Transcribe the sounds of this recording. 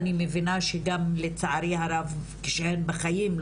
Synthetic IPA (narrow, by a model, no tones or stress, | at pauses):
nimevinaʃeɡamlet͡saʕaɾihaɾavkeʃehenbeχajiml